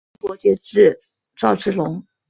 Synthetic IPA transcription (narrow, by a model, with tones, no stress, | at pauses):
kwɔ˧˥t͡ɕjɛ˧˥ʈ͡ʂɻ̩˥˩ | ʈ͡ʂɑ˥˧ʊʈ͡ʂɻ̩˥˩lʊ˧˥ŋ